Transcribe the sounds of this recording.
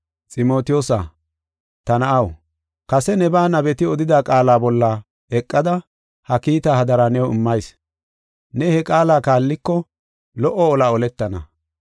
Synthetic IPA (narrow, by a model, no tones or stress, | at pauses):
t͡sʼɪmo̞ːt̪ɪjoːsa̰ | t̪ɐnɐʔɐw | kɐsɛnɛbaːnɐbɛt̪ɪɔd̪ɪd̪aːkʼaːlaːbɔlːa | ɛkʼːɐd̪ɐ | hɐkiːt̪aːhɐd̪ɐɾanɛwɪmːɐjs | nɛhɛkʼaːlaːkaːlːɪkːɔ | lɔʔɔːlaːɔlɛt̪ːɐnɐ̰